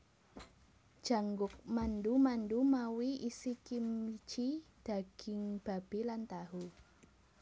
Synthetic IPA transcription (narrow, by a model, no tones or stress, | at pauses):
d̥ʒ̥a̤ŋɡʊk̚manɖumanɖumawiʔisikimit͡ʃid̪̥a̤ɡ̥ɪ̤ŋb̥a̤b̥e̤lant̪aɦu